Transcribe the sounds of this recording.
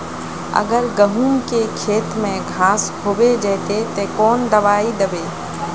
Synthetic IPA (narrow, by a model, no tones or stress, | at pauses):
ə̰ɡəɾɡəɦuːmkekʰeːt̪mẽɡʱãːsɦoːbed͡ʒɛːt̪et̪ekɔːnd̪ɐʋaːid̪əbeː